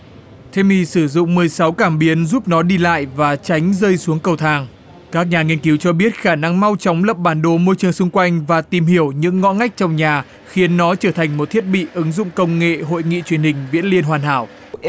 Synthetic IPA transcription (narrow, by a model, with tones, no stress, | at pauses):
t̪ʰe˧mi˧sɨ˧˩zʊ̰˧˨ŋ͡mmɨ˨˩əjsa˨˦wkaː˧˩mɓi˨˦ənzuː˦˥p̚nɔ˨˦ɗi˧la̰ː˧˨jvaː˨˩t͡ɕa˨˦jŋ̟zə˧jsu˨˦əŋkə˨˩wt̪ʰaː˧˩ŋ | kaː˦˥k̚ɲaː˨˩ŋi˧ənki˨˦wt͡ɕɔ˧ɓi˦˥ət̚xaː˧˩na˧ŋma˧wt͡ɕɔ˨˦wŋ͡mlə˨˩p̚ɓaː˧˩nɗo˨˦mo˧jt͡ɕɨ˨˩əŋsʊ˧ŋ͡mkwa˧jŋ̟vaː˨˩t̪i˨˩mhi˧˩əwɲɨ̰˧˥ŋːɔ̰˧˥ŋa˦˥jk̟̚t͡ɕɔ˧wŋ͡mɲaː˨˩ | xi˨˦ənːɔ˨˦t͡ɕəː˧˩t̪ʰa˨˩jŋ̟mo˨˩t̚t̪ʰi˦˥ət̚ɓḭ˧˨ʔɨ˨˦ŋzʊ̰˧˨ŋ͡mkə˧wŋ͡mŋḛ˧˨ɦo̰˧˨jŋḭ˧˨t͡ɕwi˨˩ənhï˨˩ŋ̟vḭ˧˥ənli˧ənɦwaː˨˩nɦa̰ː˧˩w